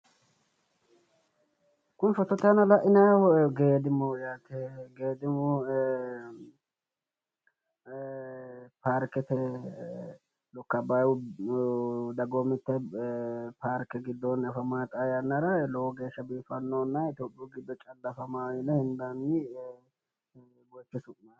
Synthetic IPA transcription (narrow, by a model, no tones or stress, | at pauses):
kʊnfɔt̪ːɔt̪anɐlɐʔɪnɐɡeːd̪ɪmɔjat̪ɛɡeːd̪ɪmɔ | paɾkɛt̪ɛ | lɔkːɐbaw | d̪ɐɡomɪt̪ːɛ | paːɾkɛɡɪd̪ːɔnɐfɐmaːt̪ʼajɐnːɐɾɐlɔwɔɡe̞ːʃːɐbiːfɐnːoːnːɐɪt̪oːpʼːɪjuɡɪd̪ːɔt͡ʃʼɐlːɐfɐmaːjɪnɛhɪnd̪anːɪ | bɔt͡ʃːɪsʊʔnɐ